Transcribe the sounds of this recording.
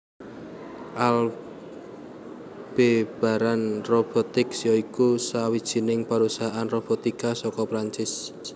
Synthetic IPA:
ʔal | b̥eb̥a̤ɾanrob̥ɔt̪ɪksijɔikusawid̥ʒ̥i̤nɪŋpaɾusaɦaʔanrob̥ɔt̪ikasɔkɔpɾaɲt͡ʃɪs

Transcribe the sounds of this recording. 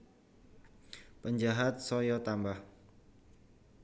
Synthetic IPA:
pəɲd͡ʒaɦat̪̚sɔjɔt̪ambah

